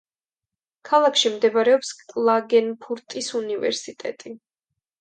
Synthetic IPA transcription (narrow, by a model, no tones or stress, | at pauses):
kʰalˠakʰʃimd̪ɛbɾɛɔpskʼlˠaɡɛnpʰuɾt̪ʼisunivɛ̰ɾsit̪ʼɛ̰t̪ʼi